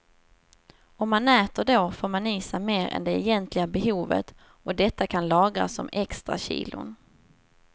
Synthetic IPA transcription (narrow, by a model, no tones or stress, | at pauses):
ɔmːanɛːt̪əɖoːfoːɾmaniːsameːɾɛ̰nd̪ɛːjɛnt̪lɪɡabɛɦuːvə̰t̪ | ɔd̪ɛt̪ːakʰanlɑːɡɾa̰sːɔ̰mɛkst̪ɾa̰ɕḭːlʊ̰n